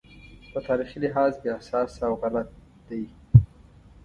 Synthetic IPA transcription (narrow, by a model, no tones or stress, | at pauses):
pət̪ɑɾixilɪɦɑːzkeahsɑːsawɣalat̪̚ | d̪̥aj